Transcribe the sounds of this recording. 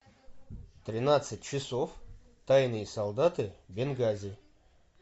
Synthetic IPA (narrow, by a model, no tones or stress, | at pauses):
t̪ɾʲɪnat̪sɨt̚ʲt͡ɕɪso̞f | t̪ajnɨjəsɐlˠd̪at̪ɨbʲɪnɡazʲɪ